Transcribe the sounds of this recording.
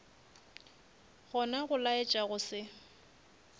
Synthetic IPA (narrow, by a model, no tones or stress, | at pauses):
ɣɔnaɣʊlaɪt͡ʃʼaɣʊsɪ